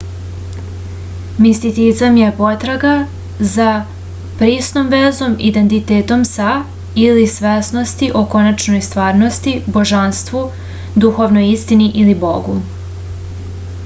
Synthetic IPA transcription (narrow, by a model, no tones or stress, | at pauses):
mist̪it̪izamjepo̞t̪ɾaɡa | za | pɾiːsno̞mʋezo̞mid̪e̞nt̪it̪eːt̪o̞msa | ilisʋesno̞st̪iʔoko̞nat͡ʃno̞jst̪ʋaːɾno̞st̪ibo̞ʒanst̪ʋu | d̪uxo̞ʋnojist̪iniʔilibo̞ɡu